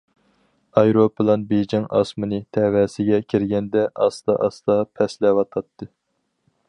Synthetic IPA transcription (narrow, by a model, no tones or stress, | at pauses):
ɑjɾopɨlˠɑnbed͡ʒɪŋɑ̰smɨnɨt̪ʰɛwɛsɪɡʲɛkʲʰiɾɡʲɛnd̪ɛʔɑsd̪ɑ̰ʔɑsd̪ɑpʰɛslɛwɑt̪ʰɑt̪ʰːɨ